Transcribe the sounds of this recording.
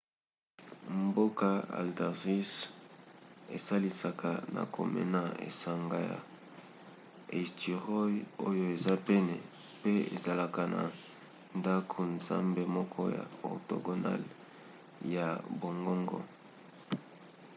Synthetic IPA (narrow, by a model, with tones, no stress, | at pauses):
mbo˦ka˦a̰˨lda˨ʁi˦s | e˨sa˦li˨sa˨kʰa˨na̰˨kʰo̰˨mɛ̰˨na˦ḛ˨sa˨ŋɡa˨ja̰˨ | e˨sti˨ʁɔ˦jo˦jo˦e˨za˦pɛ˦nɛ˨ | pe˦ḛ˨za˨la˨ka˨na˨ | nda˦kʰo˨nza̰˦mbe˨mɔ˦kʰɔ˦ja̰˨o̰˨to̰˨ɡo˨na̰˦l | ja˨bo˨ŋɡo˦ŋɡɔ̰˦